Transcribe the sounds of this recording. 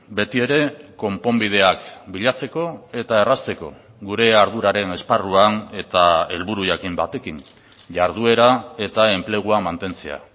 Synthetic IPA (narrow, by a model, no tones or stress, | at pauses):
be̞t̪ie̞ɾe̞ko̞mpo̞mbið̞e̞akbiʎat͡se̞ko̞e̞t̪ae̞rast̪e̞ko̞ | ɣuɾe̞aɾð̞uɾaɾe̞ne̞sparuane̞t̪ae̞lβuɾujakimba̰t̪e̞kin | ʝaɾð̞ue̞ɾae̞t̪ae̞mple̞ɣ̞uamant̪e̞nt͡se̞a̰